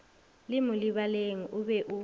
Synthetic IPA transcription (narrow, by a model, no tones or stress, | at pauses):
limuliβaleŋ̩ʔuβɛʔu